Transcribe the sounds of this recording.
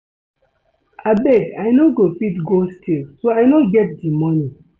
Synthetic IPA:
abɛdajnoɡofitɡostʰilsoajnoɡɛt̚dimɔnĩ

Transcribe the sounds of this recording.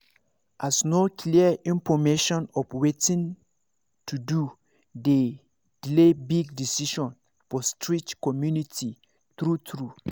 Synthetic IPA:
ʔasnokʰliəĩmfɔmeʃɔ̃nɔfwetĩn | tʰudu | de | d̥ilebiɡdisiʃɔ̃n | fɔstʰɹit͡ʃkɔmjunitʰi | tɹutɹu

